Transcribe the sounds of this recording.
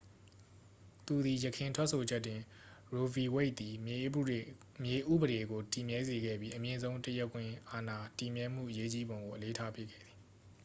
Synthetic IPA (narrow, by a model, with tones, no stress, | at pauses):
t̪u˨d̪i˨jəkʰɪ̃˨ntʰwɛ˦ʔsʰo˨d͡ʑɛ˦tːɪ̃˨ | ɹo˨vi˨we˦ɪʔ̪̚i˨ | mje˨ʔṵ˦˨bəɾe˨ɡo˨ti˨mjɛ˦ze˨ɡɛ̰˦˨bji˦ʔəmjɪ̃˨zõ˦ʊ̃ntəjɛ˦kʰːwɪ̃˨ʔa˨na˨ti˨mjɛ˦m̥ṵ˦˨ʔəje˦t͡ɕi˦bõ˨ŋɡo˨ʔəle˦tʰa˦pʰjɪ˦kʰːɛ̰˦˨d̪ði˨